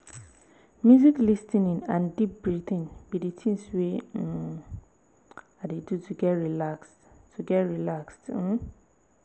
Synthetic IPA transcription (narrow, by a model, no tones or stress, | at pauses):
mjuziklistĩnĩnãndip̚bɹitĩnbiditʰĩnswe | adedutʰuɡɛtɹilaksttʰuɡɛtɹilakst̩